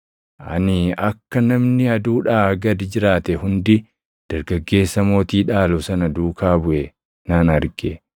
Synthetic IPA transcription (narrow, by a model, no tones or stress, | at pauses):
ʔɐ̰nɪɐkːɐnɐmnɪɐd̪uːᶑaːɡɐd̪ɪd͡ʒɪɾaːt̪ɛhʊnd̪ɪ | d̪̥ɐɾɡɐɡːe̞ːsːɐmo̞ːt̪iːᶑaːlɔsɐnɐd̪uːkʰaːbʊʔɛ | naːnɐɾɡe